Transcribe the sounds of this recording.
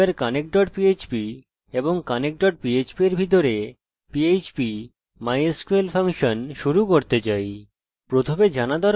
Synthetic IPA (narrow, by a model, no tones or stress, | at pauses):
eɾkanek̚ɖɔʈpiet͡ɕbi | eboŋkanek̚ɖɔʈ̚piet͡ɕbieɾbʱit̪̬oɾe | piet͡ɕpi | majeskuelfʰaŋʃonʃuɾukoɾt̪et͡ɕaj | pɾot̪ʰomed͡ʑanad̪ɔaɾ